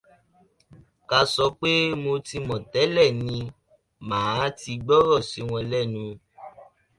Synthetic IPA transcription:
ka˧sɔ˧˦k͡pe˦mo˧ti˧mɔ̃˨tɛ˨˦lɛ˦˨nĩ˧ | mãː˨˦ti˧ɡ͡bɔ˦ɾɔ˦˨si˨˦w̃ɔ̃˧lɛ˦˨nũ˧

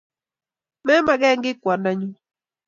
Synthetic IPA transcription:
me˦ma˨ɡe˦ŋɡi˦kʷa˨nda˦ɲu˦

